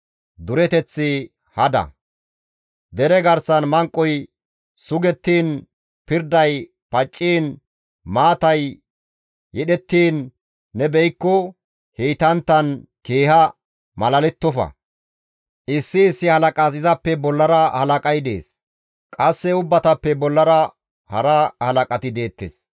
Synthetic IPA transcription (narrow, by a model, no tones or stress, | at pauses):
d̪ʊɾɛt̪ɛt͡sːɪ | hɐd̪ɐ̰ | d̪ɛɾɛɡɐɾsɐnmɐŋkʼːɔj | sʊɡɛt̪ːiːn | pɪɾd̪ɐj | pɐt͡ʃʼːiːn | maːt̪ɐj | jɛɗɛt̪ːiːnː | ɛbɛjɪkːɔ | heːt̪ɐnt̪ːɐnke̞ːhɐ | mɐlɐlɛt̪ːɔfɐ̰ | ʔɪsːɪːsːɪhɐlɐkʼɐs̬ɪzɐpːɛbɔlːɐɾɐhɐlɐkʼɐjd̪e̞̰ːs | kʼɐsːɛʊbːɐt̪ɐpːɛbɔlːɐɾɐ | hɐ̰ɾɐhɐlɐkʼɐt̪ɪd̪e̞ːt̪ːḛs